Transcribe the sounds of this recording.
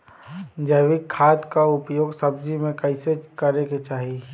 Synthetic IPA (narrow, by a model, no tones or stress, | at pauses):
d͡ʒəʋɪkʰːaːt̪kaʊpjoːɡsəb̚d͡ʒimẽkɐɪsekəɾeket͡ʃaːɦi